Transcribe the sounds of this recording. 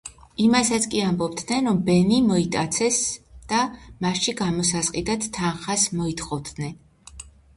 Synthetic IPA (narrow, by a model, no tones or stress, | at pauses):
imasat̪sʰkʼiambɔb̚d̪nɛnɾɔmbɛnimɔit̪ʼat̪sʰɛsd̪̥amaʃiɡamɔsasqʼid̪at̪t̪ʰːanχasmɔit̪χɔvd̪nɛn